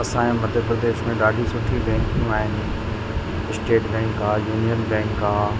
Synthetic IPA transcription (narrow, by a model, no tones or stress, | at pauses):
ɐsãẽmɐd̪ʱəɾpɾɾd̪eːʃmẽɗaːɖʱisʊʈʰibɛ̃ːŋkjũaːɦɪnɪ̆ | ɪsʈeːʈbɛ̃ːŋkãːjuːnijənbɛ̃ːŋkːãː